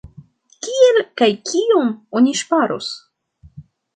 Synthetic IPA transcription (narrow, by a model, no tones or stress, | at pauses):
kʲielkajkʰiomonʲiʃpaɾos